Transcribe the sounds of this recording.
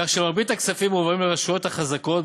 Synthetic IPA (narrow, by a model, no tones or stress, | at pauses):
aχʃemaʁbit̪aksafimuvʁimleʁaʃujo̞t̪haχazako̞t